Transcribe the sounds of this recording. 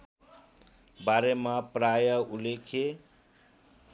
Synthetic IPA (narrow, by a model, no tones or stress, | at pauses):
baɾemapɾajʌulekʰe